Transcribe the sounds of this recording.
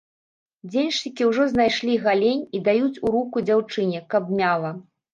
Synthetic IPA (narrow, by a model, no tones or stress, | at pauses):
d͡zʲenʲʂʲikʲiwʐɔznajʂlʲiɣalʲenʲid̪ajut͡sʲuɾukud͡zʲawt͡ʂɨnʲɛkɐbmʲalˠɐ